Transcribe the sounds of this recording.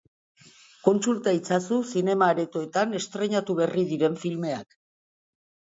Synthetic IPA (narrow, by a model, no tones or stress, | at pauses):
ko̞nsult̪ait͡sasusine̞maːɾet̪oe̞t̪ane̞st̪ɾe̞ɲat̪uβe̞riðiɾe̞ɱfilme̞a̰k